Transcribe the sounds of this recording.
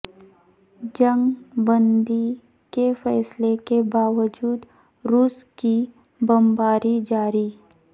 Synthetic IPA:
d͡ʒə̃ŋɡbə̃nd̪i | kefɛːslekebaːʋəd͡ʒuːd̪ | ɾuːski | bəmbaːɾid͡ʒaːɾiː

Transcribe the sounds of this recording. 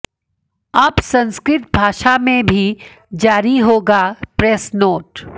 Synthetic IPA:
ɐbsɐ̃nskɾɪt̪̚bʱaːʃamẽbʱi | d͡ʒaːɾiɦoːɡapɾesnoːʈ

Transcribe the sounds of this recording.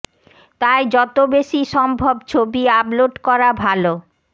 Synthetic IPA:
t̪aed͡ʑɔt̪obeʃiʃɔmbʱobt͡ɕʰobiabloʈkɔɾabʱalo

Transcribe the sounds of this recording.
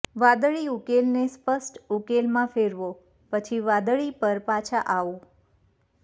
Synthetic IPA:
ʋad̪əɭiukelnespəsʈukelmãfeɾʋo | pət͡ʃʰiʋad̪əɭipəɾpat͡ʃʰaʔaʋo

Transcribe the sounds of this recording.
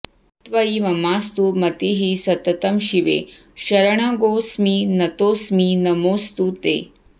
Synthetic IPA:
t̪ʋɐimɐmaːst̪umɐt̪iɦisɐt̪ɐt̪ɐmʃiʋḛ | ʃɐɾɐɳ̃aɡoːsminɐt̪oːsminɐmoːst̪ut̪ḛː

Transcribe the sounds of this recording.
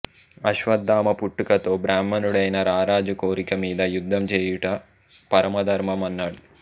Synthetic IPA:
ɐʃʋɐd̪ːaːmɐpuʈːukɐt̪oːbɾaːmːɐnuɽɐjnɐɾaːɾaːd͡ʒɐkoːɾikɐmiːd̪ɐjud̪ʱːɐmt͡ʃeːjuʈːɐ | pɐɾɐmɐd̪ʱɐɾmɐmɐnːaːɽu

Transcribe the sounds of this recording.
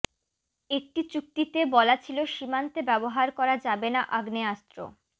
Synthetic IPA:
ek̚ʈit͡ɕuk̚ʈ̪it̪ebɔlat͡ɕʰiloʃimant̪ebɛboɦaɾkɔɾad͡ʑabenaʔaɡneast̪ɾo̰

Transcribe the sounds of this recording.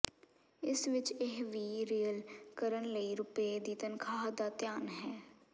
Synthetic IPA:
ɪsʋɪt͡ʃeɦʋiːɾiːəlkəɾənləiːɾʊpeːd̪iːt̪ənkʰaːɦd̪aːt̪jaːnɦɛː

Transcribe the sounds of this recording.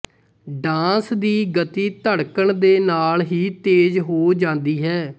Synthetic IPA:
ɖãːsd̪iːɡət̪iːt̪əɽkəɳd̪eːnaːlɦiːt̪eːd͡ʒɦoːd͡ʒãːnd̪iːɦɛː

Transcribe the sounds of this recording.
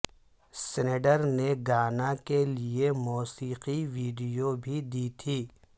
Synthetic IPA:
sɪneɖəɾneɡaːnakeliemuːsiːqiʋiːɖijobʱid̪it̪ʰiː

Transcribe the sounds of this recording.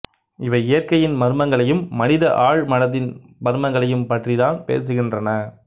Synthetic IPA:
ɪʋɐɪjɐrkɐjɪnmɐɾɯmɐŋɡɐɭɐjɯmːɐnɪðɐʔaːɻmɐnɐðɪn | bɐɾɯmɐŋɡɐɭɐjɯmpɐʈriðaːnpḛːs̬ɯɣɪndrɐnɐ

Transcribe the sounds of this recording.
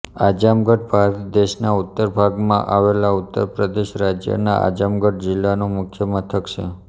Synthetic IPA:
ad͡ʒamɡəʈ̚bʱaɾət̪d̪eʃnaut̪ːəɾbʱaɡmãʔaʋelaut̪ːəɾpɾəd̪eʃɾad͡ʒjə̰na̰ʔa̰d͡ʒamɡəʈ̚d͡ʒɪlːanõmʊkʰjəmət̪ʰəkt͡ʃʰe

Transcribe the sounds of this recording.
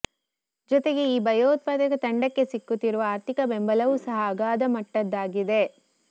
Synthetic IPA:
d͡ʒɔt̪e̞ɡe̞iːbɐjoːt̪̚paːd̪ɐɡɐt̪ɐɳɖɐkːe̞sikːut̪ːiɾuʋɐaːɾt̪ikɐbembɐlɐʋusɐɦɐːɡaːd̪ɐmɐʈːɐd̪ːaːɡid̪e̞

